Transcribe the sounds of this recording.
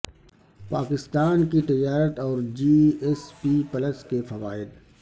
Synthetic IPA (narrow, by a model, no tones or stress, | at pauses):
paːkɪst̪aːnkit̪ɪd͡ʒaːɾət̪ɔːɾd͡ʒiːespipɐləskefɐʋaːɪd̪